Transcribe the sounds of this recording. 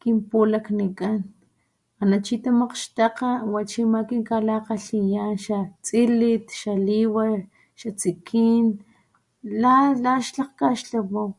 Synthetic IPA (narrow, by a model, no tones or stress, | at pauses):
kimpulaknikʼan | anat͡ʃit̪amaqʃt̪aqawat͡ʃimakiŋkalaqaɬijanʃat͡silit̪ʃaliwaɾ | ʃat͡sikʰiːn | lalaʃlaqkaʃɬawaw